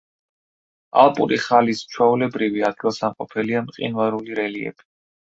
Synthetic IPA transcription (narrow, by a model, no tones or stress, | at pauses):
a̰lˠpʼuɾiχalist͡ʃʰwaulɛbɾiviad̪̚ɡilˠsamqʼɔpʰɛliamqʼḭnvaɾuliɾɛliɛ̰b̥i̥